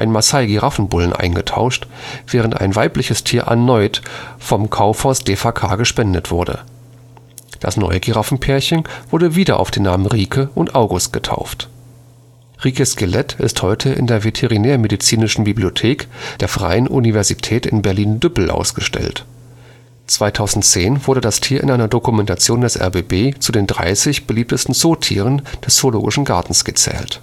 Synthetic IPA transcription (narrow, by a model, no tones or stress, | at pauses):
ʔaɪnmasaɪɡiʁafn̩bʊlən̩ʔa̰ɪnɡətʰa̰ʊʃtv̥ɛːʁənta̰ɪnvaɪplɪçəstʰiːɐʔa̰nɔʏtfɔmkʰaʊfhɔstd̥efakʰa̰ːɡəʃpɛndətv̥ʊɐdə̰ | d̥a̰snɔ̰ʏəɡiʁafn̩pʰɛːɐçənv̥ʊɐdəviːdɐʔa̰ʊfd̥eːnːaːmənʁiːkʰəʔʊntʔaʊɡʊst̚ɡ̥ətʰa̰ʊft | ʁiːkəskʰɪlɛtʰɪ̰sthɔʏtʰəʔɪ̰ndeːɐvetʰeʁinɛːɐmedit͡siːnɪʃn̩bibliotʰeːkd̥eːɐfʁ̥a̰ɪənʔṵnivɛɐzitʰɛːtɪ̰nbɛɐliːndʏpl̩ʔa̰ʊsɡ̥əʃtɛ̰lt | t͡sv̥aɪtʰaʊzn̩tt͡seːnvʊɐdədastʰiːɐʔɪ̰nʔaɪnɐdokumɛntat͡sjoːndɛsʔɛ̰ɐbeːbeːt͡sudeːndʁa̰ɪsɪçb̥əliːp̚təstn̩zoːtʰḭːʁ̞ənd̥ɛsz̥oloːɡɪʃn̩ɡaɐtn̩sɡ̥ət͡sɛ̰ːlt